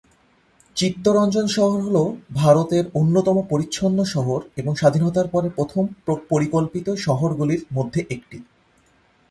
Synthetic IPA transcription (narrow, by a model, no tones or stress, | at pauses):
t͡ɕit̪ːoɾɔnd͡ʑonʃɔɦoɾɦolobʱaɾot̪eɾonːot̪ɔmopoɾitːɕʰonːoʃɔɦoɾeboŋʃad̪ʱinot̪aɾpɔɾepɾot̪ʰomopoɾikolpit̪oʃɔɦoɾɡuliɾmod̪ʱːeʔek̚ʈi